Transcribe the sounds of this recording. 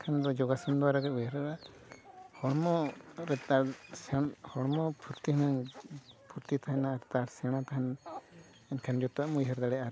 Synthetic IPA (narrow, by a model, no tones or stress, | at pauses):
kʰand̪ɔd͡ʒɔɡasɔnd̪ɔaɾaɡɛujɛɾɛa | hɔɽmɔɾɛt̪aɾsɛhɔɽmɔpʰuɾt̪iɦnaŋpʰuɾt̪it̪ʰaɦɛnaɾt̪aɾsɛɽ̃at̪aɦɛn | ɛnkʰand͡ʒɔt̪aʔmujɦaɾd̪aɽɛʔa